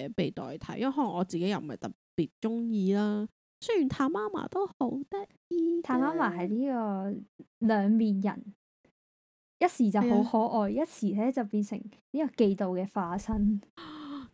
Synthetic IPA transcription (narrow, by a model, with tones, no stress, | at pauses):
pe˨jt̪ɔ̰ː˨jt̪ʰɐ̰˨˥jɐ˥˨ɦɔː˧˥lŋɔː˨˧t͡siː˨ke˨˥jɐ˨˧wm˨mɐ˨jt̪ɐ˨˩p̚piː˨t̚t͡ʃʊ˥ŋjiː˨˧laː˥ | sɵ˥jy˨˩nt̪ʰaː˧maː˥ma̰ː˨˩t̪o˥who˨˧˥wt̪ɪ˥k̚ | t̪ʰaː˧maː˥maː˨˩ɦɐ˨jliː˥kɔː˧ | lœː˨˧ŋmiː˨njɐ̰˨˩n | jɐ˥t̚siː˨˩t͡sɐ˨ɦo˨˥whɔː˨˥ʔɔː˨jjɐ˥t̚siː˨˩lɛː˥t͡sɐ˨wpiː˧nsɪ̰˨˩ŋ | niː˥kɔː˧ke˧jt̪o˨wkɛː˧faː˧sɐ˥n